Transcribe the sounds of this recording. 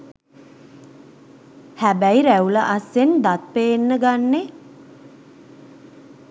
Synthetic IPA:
hæbæjɾæuləʔasːend̪at̪̚penːəɡanːe

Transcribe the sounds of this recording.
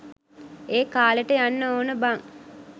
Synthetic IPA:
eːkaːləʈəjanːəoːnəbaŋ

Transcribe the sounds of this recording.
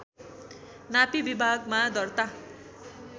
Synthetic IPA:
napibibʱaɡmad̪ʌrt̪a

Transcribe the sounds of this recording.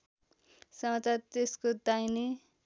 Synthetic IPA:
sʌmat͡sart̪eskod̪ajni

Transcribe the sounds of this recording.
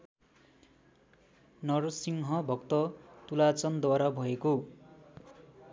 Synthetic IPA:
nʌrsiŋɦʌbʱʌkt̪ʌt̪ulat͡sʌnd̪waɾabʱʌeko

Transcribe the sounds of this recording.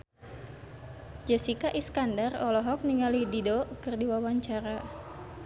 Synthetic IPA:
d͡ʒɛsikaʔiskandarɔlɔɦɔk̚niŋalididokərdiwawaɲt͡ʃaɾa

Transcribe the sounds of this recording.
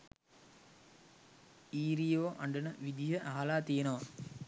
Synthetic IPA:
iːɾijoːʔɐɳɖənəʋid̪ʱijəʔaɦalaːt̪ijenəʋa

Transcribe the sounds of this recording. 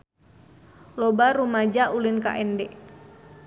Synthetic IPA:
lɔbaɾumad͡ʒaʔulinka̰ʔɛndɛ

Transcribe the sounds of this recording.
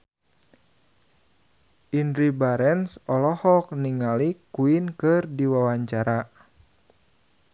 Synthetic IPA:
ʔindɾibaɾɛnsɔlɔhɔk̚niŋalikuinkɨrdiwawaɲt͡ʃaɾa

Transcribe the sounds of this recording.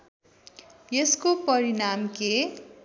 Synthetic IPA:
jeskopʌɾinamke

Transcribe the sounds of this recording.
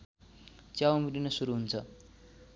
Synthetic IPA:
t͡sjawmilinʌsuɾuɦunt͡sʰʌ

